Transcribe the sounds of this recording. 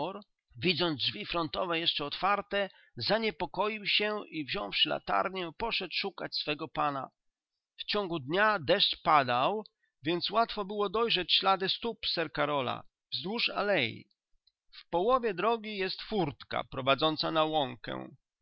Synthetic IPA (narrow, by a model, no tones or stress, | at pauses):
ɔɾ | vʲid̪zɔnzd͡ʐvʲifɾɔnt̪ɔvɛjɛʂt͡ʂɛɔt̪faɾt̪ɛ | zaɲɛpɔkɔjiwɕɛivʑɔ̃w̃fʂla̰t̪a̰ɾɲɛpɔʂɛt̪ʂukat͡ɕsfɛɡɔpana̰ | ft͡ɕɔŋɡud̪ɲad̪ɛʂt͡ʂpad̪aw | vʲjɛnt̪swat̪fɔbɘwɔd̪ɔjʐɛt͡ɕɕlad̪ɘst̪upsɛɾkaɾɔla̰ | vzd̪wuʂa̰lɛjḭ | fpɔwɔvʲjɛd̪ɾɔɡʲijɛst̪fuɾt̪ka̰pɾɔvad̪zɔnt̪sanawɔŋkɛ̰w